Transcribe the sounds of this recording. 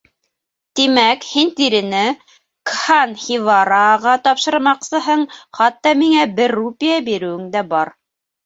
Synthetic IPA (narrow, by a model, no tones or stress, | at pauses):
t̪imækhint̪iɾɘ̆nɘ | kχanχivɑɾɑʁɑt̪ɑpʃɤ̆ɾmɑqsɤ̆ɦɤɴχɑt̪ːɑmiŋæbɘrːupʲijabiɾɘ̆wɘ̆ŋd̪æbɑɾ